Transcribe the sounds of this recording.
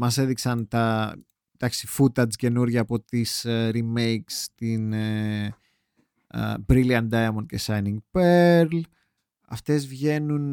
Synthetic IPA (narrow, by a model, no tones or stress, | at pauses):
mɐse̞ðiksɐnt̪ɐ | d̪̥ɐksi̥fut̪ɐt͡sce̞nuɾʝɐːpo̞t̪isɾime̞jkst̪in | bɾiliɐnd̪ɐjɐmond̪cesɐjniŋɡpeɾl | ɐ̰ft̪e̞zvʝe̞nun